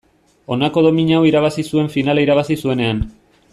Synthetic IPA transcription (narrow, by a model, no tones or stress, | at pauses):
o̞nako̞ðo̞miɲawiɾaβ̞asisue̞ɱfinalaiɾaβ̞asisue̞ne̞an